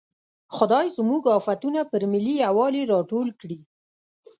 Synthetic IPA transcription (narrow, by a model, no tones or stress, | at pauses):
xʊd̪ɑjzmuɡɑfat̪unapəɾmɪliawɑleɾɑʈolkɽi